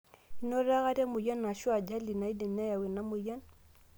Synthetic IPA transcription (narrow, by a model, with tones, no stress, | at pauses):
i˨˦nɔ˦ɾa˦ɣa˦ɾja˦mu˨ja˦na˨ʃwa˨d͡ʒa˦li˨na˨i˦dɛ˨n˦a˦ja˨wɛ˨na˨˦mu˨ja˦n